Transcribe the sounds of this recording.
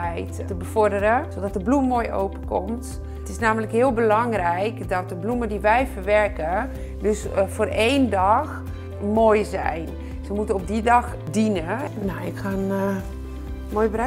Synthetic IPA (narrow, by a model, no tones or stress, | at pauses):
ɛjttəbəfɔɹdəɾəsodɔtəblummoːjʔo̰wpəkɔmt | ətɪsnaːmələkhɪəlˠbəlɔŋrɛjkdɔt̚dəblumədiʋɛjfərʋɛrkə | døsfoːreːndɔx | moːjzɛ̰jn | səmutənop̚didɑx | dinənoɪkxan | mojbər